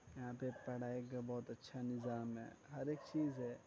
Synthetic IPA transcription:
jɐɦãːpepɛɽ̤aːekbɔːt̪ɐtːʃʰanɪzaːmɦɛ̰ːɦɐɾeːk̚t͡ʃiːzɦɛː

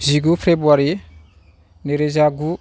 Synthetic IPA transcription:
ziɡufebuaɾi | neɾezaɡu

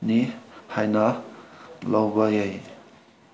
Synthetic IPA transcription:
nihajna | lawbajʌj

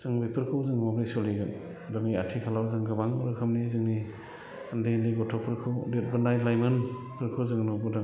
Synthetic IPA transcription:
z̥ɯŋbipʰɯɾkʰɯwzɯŋmabɾisɔliɡɯn | daŋniatʰikʰalawzaŋɡɯbaŋbɯɾkʰɯmnizɯŋni | andendiɡɔtʰɔpʰɯɾkʰɯwdet̚bɯnajlajmɯn | pʰɯɾkʰowzɯŋnubɔdaŋ

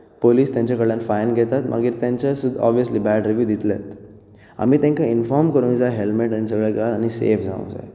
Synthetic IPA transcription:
poliːst̪jãɲt͡ɕakəɽljãnfajnɡʱɛt̪at̪mʔa̰ɡiːɾt̪jãɲt͡ɕasud̪ʱɔ̰bʋiəsliːbæɖɾiʋjuːd̪it̪let̪ | a̰miːt̪ãŋkainfɔɾmkəɾũd͡zaɦelmeʈañis̬əɡɭɛɡalaɽ̃isḛfd͡za̰ṵ̃d͡za̰j

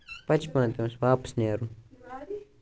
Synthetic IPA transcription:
pɐt͡ʃpɐ̃t̪emsʋaːpsneːɾu

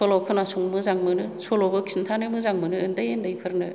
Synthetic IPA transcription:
solɔkʰɯnasuŋmɯzaŋmɯnɯsʰolɔbɯkʰsintʰanɯmɯzaŋmɯnɯɯndɯjendɯjpʰɯɾnɯ

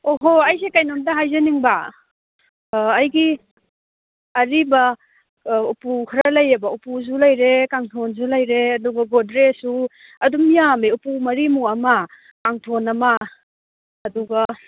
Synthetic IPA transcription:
oɦoɐjs̬ekajnondaɦajzɐniŋba | jɡi | ɐɾibɐ | upukʰaɾɐlɐjɐbɐupus̬ulɐjɾekaŋtʰons̬ulɐjɾeɐduɡɐɡodɾesu | ɐdumijameupumɐɾimuɐmɐ | kaŋtʰonɐmɐː | duɡɐ

